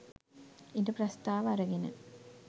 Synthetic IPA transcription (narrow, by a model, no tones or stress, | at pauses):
induprɐst̪aːʋɐɐɾɐɡenɨ̰